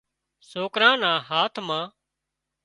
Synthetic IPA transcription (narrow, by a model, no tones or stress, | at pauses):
soːkɾãːnãːɦaːt̪ʰmãː